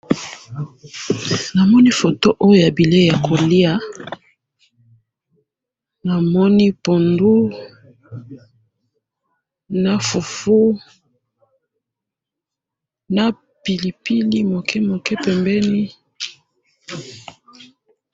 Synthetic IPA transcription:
na˨mɔ˦ni˦fo˨to˦ʔo˦jo˦ja˨bi˨le˦ja˨kʰo˨li˦a˦ | na˨mɔ˦ni˦po˨ndu˦ | na˦fu˨fu˦ | na˦ | pi˨li˨pi˦li˦mo˨kʰɛ˦mo˨kɛ˦pɛ˨mbɛ˦ni˦

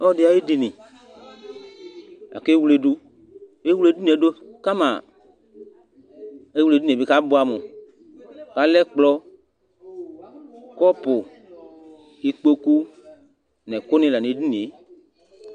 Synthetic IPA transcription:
ɔ˦˨dɪ˦a˨˦e˦di˨nɪ˨ | a̰˨ke˦wu˧le˧du˧ | e˦wu˦le˦di˦nĩ˨ɛ˨˦do˦ka˦ma˨ | e˦wle˧˨di˦˨be˨ka˦bʊ˨˦a˨mʊ˨ | ka˨˦lɛ˦k͡plɔ˧ | kɔ˦pʊ˨ | i˧k͡po˧ku˦ | nɛ̃˨kʊ˦nɪ̃˧la˨ni˨˦di˦nĩ˨e˨˦

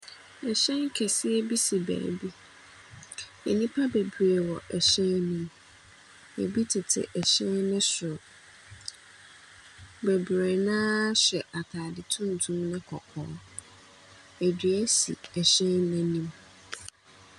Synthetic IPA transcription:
ɛ˨ɕɛ̃˦ŋ˦kʰɛ˨sɪ˦ɛ˦bi˦si˨bæ̰ː˨bi˦ | ɛ̰˨nĩ˦pʰa˦be˨bɾe˨wɔ˨ʔɛ˨ɕɛ̃˦nĩ˦m | ḛ˨bi˦tʰɪ˨tʰɪ̰˨ʔɛ˨ɕɛ̃˦nɪ̃˦sʊ˨ɾʊ˨ | bɛ˨bɾe˨nãː˦ɕɛ˨ʔa˨tʰaː˨dɪ˨tʰũ˦n˨tʰũ˦mnɪ̃˦kʰɔ˨kʰɔ̰̃ː˨˦ | æ˨dɥæ˦sḭ˨ɛ˨ɕɛ̃˦nːɛ̃˦nĩ˦m

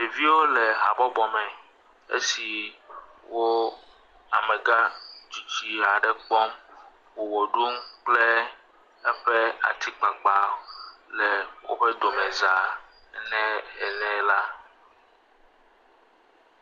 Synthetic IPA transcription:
ɖe˨vi˦wo˦lɛ˨ɦa̰˨bɔ˦bɔ˨mɛ̃˨ | ḛ˦si˨ | wo˦ | a̰˨mɛ̃˨ɡa˦d͡ʒu˨d͡ʒi˦a˨ɖɛ˨k͡pɔ˦m | wo˨wo˨ɖu˦mk͡plɛ˦ | ɛ˦ɸɛ˦a̰˨t̪ʰi˦k͡pa˨k͡pa˨lɛ˨wo̰˦ɸɛ˦d̪o˨mɛ˨za˨˦ | nɛ̃˦ɛ˨nɛ̃˦la˦

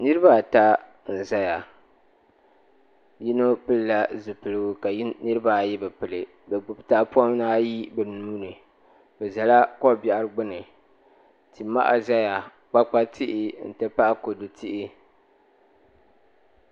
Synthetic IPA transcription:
nɨ˦ɾɨ˦ba˦˨ta˦ | n̩˨za˦ja˨ | ji˦no˦pɨ˦lla˦zu˨pɨ˨lɨ˦ɡʊ˦ka˨˦nɨ˦ɾɨ˦ba˦˨ji˦bɛ˨pɨ˨lɨ˨ | bɛ˨ɡ͡bʊ˨bta˦pu˦a˦m˦naː˦ji˦bɛ˨nuː˦nɨ˨ | bɛ˨za˨la˦kɔ˦bja˨ʔa˨ɾɨ˦ɡ͡bɨ˦nɨ˨ | ti˨ma̰˦ʔa̰˨za˦ja˨ | k͡pa˦k͡pa˦tʰɪ˦ʔɪ˦n̩˨tɨ˦pa˦ʔa˦ko˨du˨tʰɪ˦ʔɪ˦

